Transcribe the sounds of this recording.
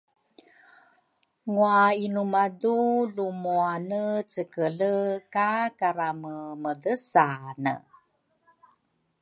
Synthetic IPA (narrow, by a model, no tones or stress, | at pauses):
ŋuainumadulumuanət͡səkələkakaɾaməmədəsanə̰